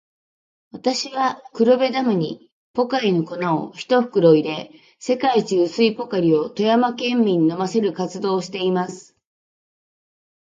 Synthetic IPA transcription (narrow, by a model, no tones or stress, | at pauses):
βat̪aɕiβakɯ̟ɾo̞be̞d̪amɯ̟ɲ̟i | po̞kaino̞ko̞nao̰çi̥t̪o̞ɸɯ̟̥kɯ̟ɾo̞id̪e̞ | se̞kait͡ɕiɯ̟sɨipo̞kaɾʲio̞t̪o̞jamakẽ̞mːʲiɲ̟ino̞mase̞ɾɯ̟kat͡sɨd̪o̞ːɕi̥t̪e̞imasɨ̥